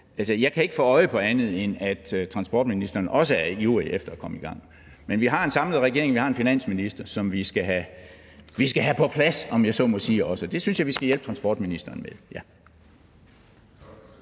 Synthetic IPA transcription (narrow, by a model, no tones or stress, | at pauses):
ʔælsəjɑ̈ɪkʰæe̝ɡ̥əfɔ̰ːɒ̽ɪəpʰɒ̽ænð̞̩ˠenæd̥t͡sʰʁɑ̈nsb̥ɒ̰ːd̥minisd̥ɐːnɒ̽səæɐjṵːʁiʔefd̥ɐɒkʰɒ̽məiɡ̥ɑ̈ŋ̰ | menʋiɦɑ̈e̝nsɑ̈mləð̩ˠʁɛɡ̥e̝ɐ̰eŋʋihɑ̈e̝nfinæn̰sminisd̥ɐsɒ̽mʋisɡ̥æɦæ | ʋisɡ̥æɦæpʰɒ̽pʰlæsɒ̽mjɑ̈ɪsɒ̽mɔsiːɒ̽səd̥e̝synsjɑ̈ɪʋisɡ̥æjelb̥̚t͡sʰʁɑ̈nsb̥ɒ̰ːd̥minisd̥ɐːnmeðˠjæ